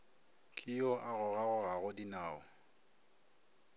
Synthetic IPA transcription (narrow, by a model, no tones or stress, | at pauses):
kʼiɔʔaɣʊɣaɣʊɣaɣʊdinaːɔ